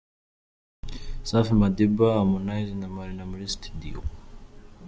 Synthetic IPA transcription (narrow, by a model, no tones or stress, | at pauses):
safimad̪ibaːmunajzinamalinamɾist̪ʰi̥d̪ḭo̰